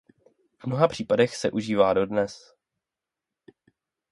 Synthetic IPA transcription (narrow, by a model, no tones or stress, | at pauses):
vmno̞ɦapr̝̥iːpadɛxsɛʔuʒiːvaːdo̞dnɛs